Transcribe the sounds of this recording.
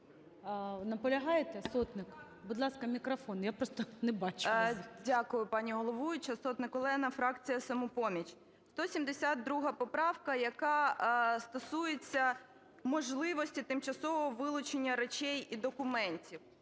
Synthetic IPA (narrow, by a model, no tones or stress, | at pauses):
nɐpɔlʲɐɦɑjɪt̪ɛsɔt̪nɪk | bʊd̪lˠɑskɐmʲikɾɐfɔnjapɾɔst̪ɔnɛbɑt͡ʃdʲakʊjʊpɑnʲiɦɔlˠɔʋujʊt͡ʃɐsɔt̪nɪkɔlˠɛnɐfɾɑkt͡sʲijɐsɐmupɔmʲit͡ʃ | st̪ɔsʲimd̪esʲad̪̚d̪ɾuɦɐpɔpɾɑwkɐjɐkɑst̪ɔsujet͡sʲːɐ | mɔʒlˠɪʋɔsʲtʲit̪ɪmt͡ʃɐsɔʋɔɔʋɪlˠʊt͡ʃenʲːɐɾet͡ʃʲɛjid̪ɔkʊmɛnʲtʲiw